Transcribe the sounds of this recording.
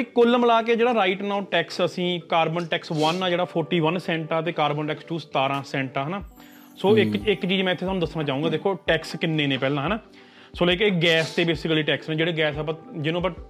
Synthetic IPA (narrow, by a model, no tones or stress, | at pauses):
ikʊlmlaːkeːd͡ʒeːɽaːɾaːiʈnaːʈɛːksəsĩːkaːɾbənʈɛːksʋənaːd͡ʒeːɽaːpʰɔːɾʈiːʋənsɛ̃ːɳʈãːt̪̬eːkaːɾbənʈɛːkst͡ʃuːst̪aːɾãːsɛ̃ːɳʈãːɦɛnaː | soːɪkɪkt͡ʃiːd͡ʒmɛ̃ːɪt̪ʰːeːaːnũd̪əsnãːt͡ʃaːũːɡaːd̪eːkʰːoːʈɛːkskɪnːeːnẽːpɛːlãːɦɛnaː | soːlekeːɡɛːst̪eːbeːsɪkliːʈɛːksnẽːd͡ʒeːɽeːɡɛːsaːp̬ãd͡ʒɪnũːpə